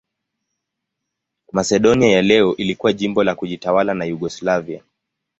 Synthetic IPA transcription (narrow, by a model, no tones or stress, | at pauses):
masɛɗɔniajalɛɔʔilikuwaʄimbɔlakuʄitawalanajuɠɔslavia